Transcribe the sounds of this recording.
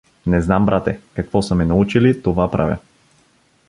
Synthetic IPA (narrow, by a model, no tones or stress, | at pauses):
nɛznambɾat̪ɛkakvɔsɐmɛnaut͡ʃilit̪ɔvapɾa̰vʲja̰